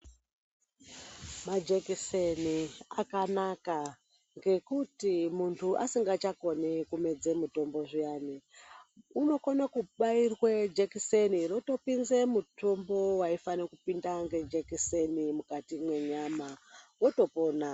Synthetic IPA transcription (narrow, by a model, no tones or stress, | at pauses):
mad͡ʒekiseniakanaka | ŋɡe̞kutimuntʰuʔa̰siŋɡat͡ʃako̞nekume̞d͡ze̞muto̞mbo̞ʐijaːni | uno̞konakuɓairwed͡ʒekiseniroto̞pinzemutombo̞waifanekupindaŋɡe̞d͡ʒekisenimukatimweɲamawo̞to̞po̞ːna